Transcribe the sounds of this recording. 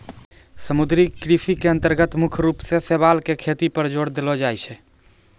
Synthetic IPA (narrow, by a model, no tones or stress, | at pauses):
səmud̪ɾikɾisikeə̃nt̪əɾɡət̪mukʰɾupsesebalkekʰet̪ipəɾd͡ʒoɽd̪elɔd͡ʒajt͡ʃʰɛ